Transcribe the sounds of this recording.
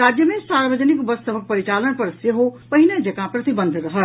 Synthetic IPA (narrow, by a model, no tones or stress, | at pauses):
ɾad͡ʒjəmẽsaɾbəd͡ʒənikbəst̪əbʱək̚pəɾit͡ʃalənpəɾsjeɦopɐɦinad͡ʒəkãpɾɐt̪ibənd̪ʱɾəɦə